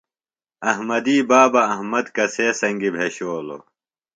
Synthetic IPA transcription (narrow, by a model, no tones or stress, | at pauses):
ɐɦmɐd̪iːbaːbɐːɦmɐd̪kɐseːsɐŋɡibʱeːɕoːlo̰